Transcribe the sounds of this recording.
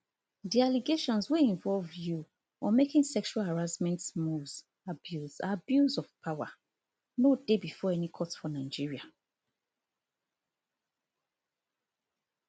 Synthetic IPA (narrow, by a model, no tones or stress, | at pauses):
dialiɡeʃɔ̃nsweĩɱvɔlvju | ɔmekĩŋsɛkʃualhaɹasmɛ̃ntmuvz | abjuzabjuzɔv̥pʰawa̰ | nodebifɔɛnikʰɔtfɔnaɪd͡ʒiɹia